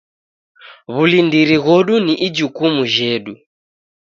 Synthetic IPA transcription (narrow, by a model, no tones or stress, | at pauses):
βulindiɾiɣɔɗuniʔid͡ʒukumuʒɛɗu